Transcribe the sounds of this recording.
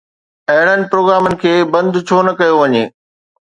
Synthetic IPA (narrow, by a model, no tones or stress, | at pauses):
ɐɦɪɽənɪ̆pɾoːɡɾaːmənɪ̆kʰeːbɐ̃nd̪t͡ɕʰoːnɐkɐjoʋɐɲeː